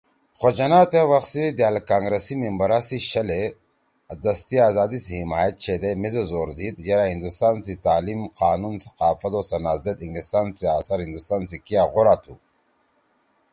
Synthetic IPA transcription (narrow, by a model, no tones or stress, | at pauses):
xod͡ʑɐnaːt̪ewɐxsid̪ealkaːŋɡɾesimimbɐɾasiɕɐle | d̪ɐst̪iaːzaːd̪isihimaːjɐt̪̚t͡ʃʰed̪emizezoːɾd̪id̪jɐɾahind̪ust̪aːnsit̪aːlimqʰaːnunsɐ̥qaːfɐt̪oːsɐnaːzet̪iŋɡlist̪aːnsiaːsɐɾhind̪ust̪aːnsikijaɣoɾaːt̪ʰu